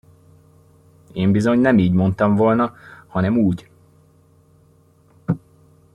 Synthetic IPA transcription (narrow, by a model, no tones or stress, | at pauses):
eːmbizo̞ɲnɛmiːɟmo̞nt̪ɒɱvo̞lnɒhɒnɛmuːɟ